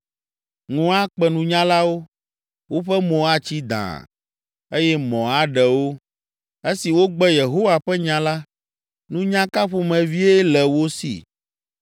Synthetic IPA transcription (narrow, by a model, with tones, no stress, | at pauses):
ŋũ˦a˦k͡pɛ˨nũ˨ɲã˦la˦wo˦ | wo˦ɸɛ˦mɔ̃˨a˦t͡ɕi˦d̪ã̰˨ | e˦jɛ˦mɔ̃˨a˨ɖɛ˨wo˦ | e˦si˨wo˦ɡ͡bɛ˦je˨ɦo˦wa˨ɸɛ˦ɲã˨la˦ | nũ˦ɲã˦ka˦ɸo˦˨mɛ̃˨vi˦ɛ˦lɛ˨wo˦sḭ˨